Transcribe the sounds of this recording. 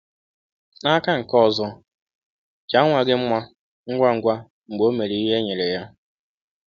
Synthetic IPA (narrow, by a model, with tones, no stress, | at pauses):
a˦ka˦ŋ̩˨kɔ˦˨zɔ˦ | t͡ʃa˦ŋʷa˨ɡe˦m̩˦mʷa˦ | ŋ̩˦ɡʷa˦ŋ̩˨ɡʷa˦ | ŋ͡m̩˨ɡ͡bo˦me˨ɾi˨i˦ɦe˦ɲe˨ɾe˨ja˦